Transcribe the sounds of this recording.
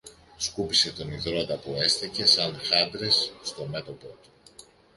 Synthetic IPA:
skupise̞t̪o̞niðɾot̪ɐpue̞st̪ice̞sɐnxɐnd̪ɾe̞sːt̪o̞me̞t̪o̞po̞t̪u̥

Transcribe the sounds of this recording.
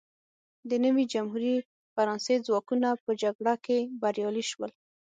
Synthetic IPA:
d̪ənəwid͡ʒamhuɾi | faɾɑnsed͡zwɑkunapəd͡ʒaɡɽakebaɾjɑliʃwəl

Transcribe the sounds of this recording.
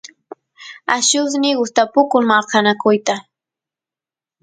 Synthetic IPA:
aʃʊsnɪɢʊst̪apʊkʊŋmalkanakʊjt̪a

